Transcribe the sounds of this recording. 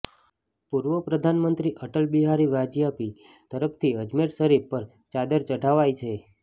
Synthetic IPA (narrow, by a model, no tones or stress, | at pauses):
puɾʋəpɾəd̪ʱanmənt̪ɾiʔəʈəlbiɦaɾiʋad͡ʒijapi | t̪əɾəpʰt̪ʰiəd͡ʒmeɾsəɾipəɾ | t͡ʃad̪əɾt͡ʃəʈaʋajt͡ʃʰe